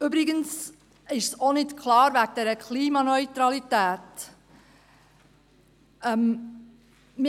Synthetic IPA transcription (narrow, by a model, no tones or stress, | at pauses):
ybɾɪɡəns | ɪʃsonɪtkʰlɑːɾʋæɡ̚d̥̪ɛːɾəkʰliːmɑnœʏtɾɑlitæːt | ɛm | mɪ